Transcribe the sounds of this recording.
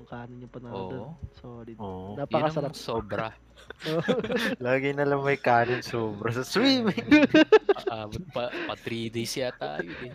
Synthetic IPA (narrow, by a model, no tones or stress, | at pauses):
ʊŋkaːnɪnːɐpɐnɐoːʔd̪osoɾɪoʔnapɐkɐsɐlɐsoːbɾɐ | olaːɡɪnɐlɐŋmɐjkaːnɪnsoːbɾɐsɐswiːmɪŋ | ʔaːbot̪̚pɐpɐt̪ɾid̪ejsɪjat̪a̰ːjoʔɪ